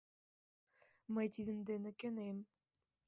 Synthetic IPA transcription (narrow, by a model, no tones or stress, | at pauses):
məjt̪id̪ɘ̆md̪enɘ̆kʲenem